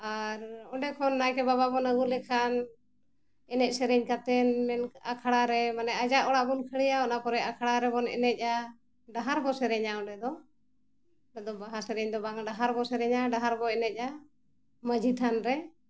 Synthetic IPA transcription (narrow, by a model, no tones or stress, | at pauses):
aɾɔɳɖɛkʰɔnːajkɛbababɔnəɡulɛkʰan | ɛnɛc̚sɛɾɛɲkat̪ɛnmɛna̰kʰaɽaɾɛmanɛad͡ʒaʔɔɽaʔbɔnkʰəɽɛjaɔnapɔɾɛakʰaɽaɾɛbɔnɛ̰nɛc̚ˀa | ɖaɦaɾbɔsɛɾɛɲaɔɖɛd̪ɔ | ɛd̪ɔbaɦasɛɾɛɲd̪ɔbaŋɖaɦaɾbɔsɛɾɛɲaɖaɦaɾbɔɛnɛc̚ˀa | məd͡ʒit̪ʰanɾɛ